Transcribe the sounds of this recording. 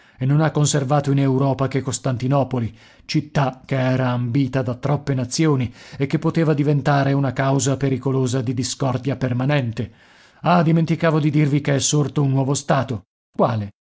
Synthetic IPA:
enːonakːonservaːt̪oinewɾɔːpakekːost̪ant̪inɔːpoli | t͡ʃit̪ːak̟eɛːɾaːmbiːt̪ad̪at̪ːɾɔpːenat̪sːjoːniekːepːot̪eːvad̪ivent̪aːɾeunakawzapeɾikoloːzad̪id̪iskɔrd̪japermanɛnt̪e | ad̪iment̪ikaːvod̪id̪irvikeɛsːort̪ounːwɔːvost̪aːt̪o | kwaːle

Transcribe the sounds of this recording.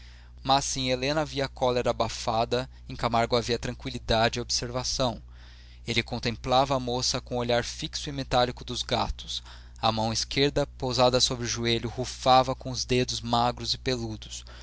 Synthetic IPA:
masĩelẽnɐviɐkɔleɾɐabafad̪ɐ | ẽkamaɾɡʊaviɐt̪ɾɐ̃ŋkwilid̪ad͡ʒɪiobseɾvasɐ̃w̃ | elɪkõnt̪ẽmplavɐːmosɐkõoʎaɾfiksʊɪmet̪alikʊd̪ʊzɡat̪ʊ̥s | ɐmɐ̃w̃ɪskeɾd̪ɐpozad̪ɐsobɾɪʊʒueʎʊhufavɐkõʊzd̪ed̪ʊzmaɡɾʊzɪpelud̪ʊs

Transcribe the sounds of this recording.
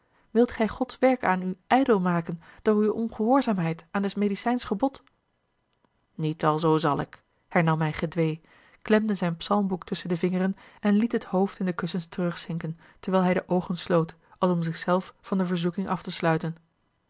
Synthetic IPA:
ʋɪlˠtχɛjχɔtsʋɛɹkaːnyʔɛjdəlˠmaːkənd̥oːɹywɔnχəɦʊːɹzaːmɦɛjtaːndɛsmejdisɛjnsχəbɔt | nitɑlˠzowzɑlˠɪ̰k | hɛɹnɑmɦɛjχədʋej | klɛmdəzɛjnpsɑlˠmbuktɵsəndəvɪŋərənɛnlitɦəthowftɪndəkɵsənstərɵχsɪŋkən | təɹʋɛjlˠɦɛjdəʔowχənslowt | ɑlˠsɔmzɪχsɛlˠfːɑndəvəɹzukɪŋʔɑftəslœɥtən

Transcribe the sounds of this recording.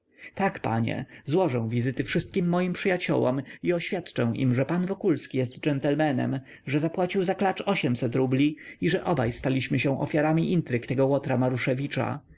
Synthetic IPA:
t̪akpa̰ɲɛ̰zwɔʐɛ̃w̃vʲizɘt̪ɘfʂɘst̪̚kʲimːɔjimpʂɘjat͡ɕɔ̰wɔ̰miɔɕfʲjat̪t͡ʂɛ̃w̃ʔḭmʐɛpanvɔkulskʲijɛst̪d͡ʐɛnt̪ɛlmɛnɛ̰m | ʐɛzapwat͡ɕiwzaklat͡ʂɔɕɛmsɛt̪ɾublʲiiʐɛʔɔbajst̪alʲiɕmɘɕɛ̃w̃ʔɔ̰fʲjaɾamʲiʔint̪ɾɘkt̪ɛɡɔwɔt̪ɾamaɾuʂɛvʲit͡ʂa̰

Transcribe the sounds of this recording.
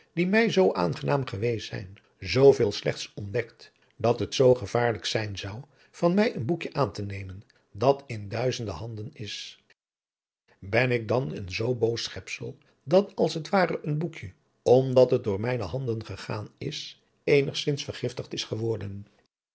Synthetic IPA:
d̥imɛjzowʔa̰ːnχənaːmχəʋejsɛ̰jn | zowvɪːlˠslɛχtsɔndɛkt | dɑtɦətsowχəv̥aːɹləksɛjnzɑw | v̥ɑnmɛjənbukjəʔaːntənejmən | dɑtɪndœɥzəndəɦɑndənɪs | bɛnɪk̚dɑnə̰nzowbowsχɛpsə̰lˠ | dɑtɑlˠsətʋaːrəʔənbukjə | ɔmdɑtɦət̚dʊːɹmɛjnəɦɑndənχəχa̰ːnɪ̰s | ejnəχsɪnsfəɹχɪftəχtɪsχəʋɔɹdən

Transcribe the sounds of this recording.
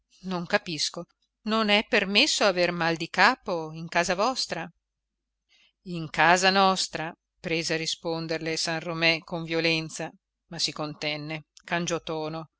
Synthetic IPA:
noŋkapisko | nonɛpːermesːoavermald̪ikaːpoiŋkaːzavɔst̪ɾa | iŋkaːzanɔst̪ɾa | pɾeːzearːispond̪erlesanromɛkoɱvjolɛnt̪sa | masːikont̪ɛnːekand͡ʒɔt̪ɔːno

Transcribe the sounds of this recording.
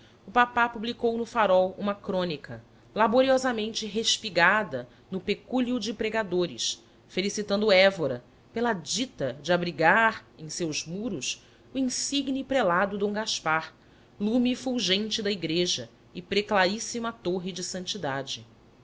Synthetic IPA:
ʊpapapublikownʊfaɾɔwṵ̃mɐkɾõnikɐ | laboɾiɔzɐmẽnt͡ʃɪɦeʃpiɡad̪ɐ | nʊpekuliʊd͡ʒɪpɾeɡad̪oɾɪ̰s | felisit̪ɐ̃nd̪ʊɛvoɾɐ | pelɐd͡ʒit̪ɐd͡ʒɪabɾiɡaɾẽj̃sewzmuɾʊs | uĩsiɡnipɾelad̪ʊd̪õw̃ɡaʃpaɾ | lumifuwʒẽnt͡ʃɪd̪ɐiɡɾeʒɐ | ɪpɾeklaɾisimɐat̪oɦɪd͡ʒɪsɐ̃nt͡ʃid̪ad͡ʒɪ

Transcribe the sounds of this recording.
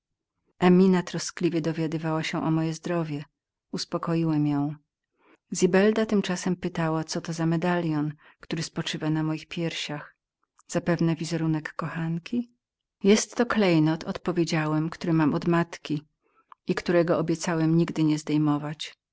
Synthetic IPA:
ʔɛmʲinat̪ɾɔsklʲivʲjɛd̪ɔvʲjad̪ɘvawaɕɛʔɔmɔjɛzd̪ɾɔvʲjɛ | uspɔkɔjiwɛmjɔ̃w̃ | zʲibɛld̪at̪ɘmt͡ʂasɛmpɘt̪awat̪sɔt̪ɔzamɛd̪alʲjɔnkt̪uɾɘspɔt͡ʂɘvanamɔjixpʲjɛɾɕax | z̥apɛvnɛvʲizɛɾunɛkːɔxankʲi | jɛst̪ːɔklɛjnɔt̪ʰɔt̪pɔvʲjed͡ʑawɛmkt̪uɾɘmamʔɔd̪mat̪kʲi | ikt̪uɾɛɡɔʔɔbʲjɛt̪sawɛmɲiɡd̪ɘɲɛzd̪ɛjmɔvat͡ɕ

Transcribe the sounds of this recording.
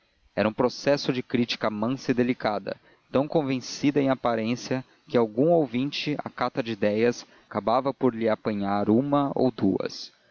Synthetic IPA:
ɛɾɐũpɾosɛsʊd͡ʒɪkɾit͡ʃi̥kɐmɐ̃sɪd̪elikad̪ɐ̰ | t̪ɐ̃w̃kõvẽsid̪ɐẽj̃apaɾẽsiɐ | kɪawɡũowvĩnt͡ʃɪa̰kat̪ɐd͡ʒɪːd̪ɛjɐs | akabavɐpoɾlɪapɐ̃ɲaɾũmɐo̰wd̪uɐ̰s

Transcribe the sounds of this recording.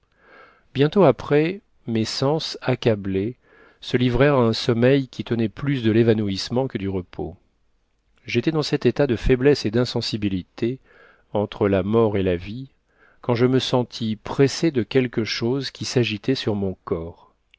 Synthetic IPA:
bjɛ̃t̪oapχɛ | mesɑ̃sakʲable | səlivʁɛʁaɛ̃sɔmɛjkʲit̪ənɛplysd̪əlevanuismɑ̃kəd̪yʁəpʰo̰ | ʒet̪ɛd̪ɑ̃sɛt̪et̪ad̪əfɛblɛsed̪ɛ̃sɑ̃sibilit̪ʰe | ɑ̃t̪χəlamɔʁelavi | kɑ̃ʒəməsɑ̃t̪ʰipχesed̪əkʲɛlkəʃozkʲisaʒit̪ɛsyʁmɔ̃kɔːʁ

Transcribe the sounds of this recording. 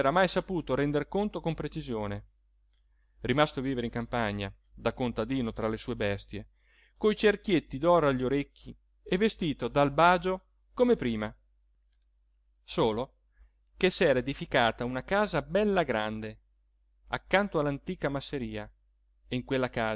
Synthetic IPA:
ɾamajsapuːt̪oɾɛnd̪erkont̪okompɾet͡ʃizjoːne | rimast̪oaviːveɾeiŋkampaɲːa̰ | d̪akont̪ad̪iːnot̪ɾalesuːebɛst̪je | kojt͡ʃerkjet̪ːid̪ɔɾaʎːoɾekːi | evːest̪iːt̪od̪albaːd͡ʒo | komepɾiːma | soːlo | kesɛːɾaed̪ifikaːt̪aunakaːzabɛlːaɡɾand̪e | a̰kːant̪oalːant̪iːkamasːeɾiːa | iŋkwelːakaː

